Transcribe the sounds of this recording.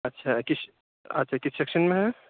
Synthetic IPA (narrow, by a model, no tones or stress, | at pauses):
ɐtːʃʰakis | ɐ̰tːʃʰakɪssekʃənmẽɦɛ̃